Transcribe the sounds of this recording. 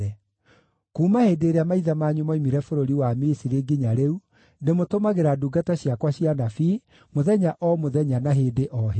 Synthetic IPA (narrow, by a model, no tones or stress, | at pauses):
ɛ | kuːmaheːdeːɾeamaiðamaɲumaimiɾɛfoɾoɾiwamisiɾeɡiɲaɾeu | nemotomaɣeɾaduɡataɕiakwaɕianafi | moðɛɲaʔɔmoðɛɲanaɦeːdeʔɔɦe